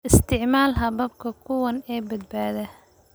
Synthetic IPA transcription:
ʔɪst̪ʰɪʕmaːlɦɐβɐbkʰɐkʰʊwɐnɛːbɐd̪̚baːðɐ

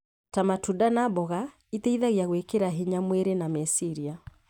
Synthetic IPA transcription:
tamatudanabɔɣa | itɛiðaɣjaɣwɛkeɾaɦeɲamwɛɾenamɛsiɾia

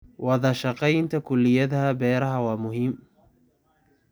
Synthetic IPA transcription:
wɑðɑʃɑqɑjnt̪ʰɐkʰʊlːɪjɐðɐhɐbɛːɾɐɦɐwɑːmʊɦiːm

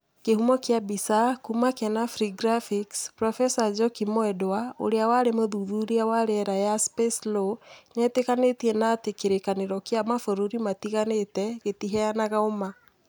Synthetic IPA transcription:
kehumɔkeabisakumakɛnafɾiɡɾafikspɾɔfɛsad͡ʒɔkimoɛdao̰ɾeawaɾemoðuðuɾiawaɾɛɛɾajaspesloɲɛtekanetiɛnatekeɾekaneɾɔkeamafoɾoɾimatiɣanetɛɣetiɦɛanaɣaoma

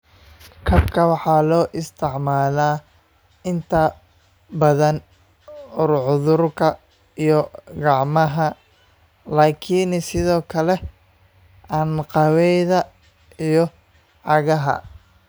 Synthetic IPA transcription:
kʰɐbkʰɐwɑħɑːlɔːʔɪst̪ʰɪʕmaːlaː | ɪnt̪ʰɐ | bɐðɐn | ʊrʕʊðʊrkʰɐ | ijɔɡɑʕmɐɦɐ | laːkʰiːnsɪðɔːkʰɐlɛ | ʔanqɑwɛjðɐ | ijɞ | ʕɑɣɐɦɐ̰

